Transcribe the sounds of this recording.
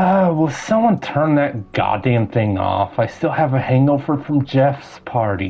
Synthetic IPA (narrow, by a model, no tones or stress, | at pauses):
ʌwɛlˠsʌ̃mwʌ̃ntʰɜ̃˞nðɨt̚ɡ̥ɑ̰dæ̃mθɪ̃ŋɔ̰faɪstɪlˠəvɨhæ̃ŋofə˞fɹʌ̃md͡ʒɛfsspʰɑɹɾḭ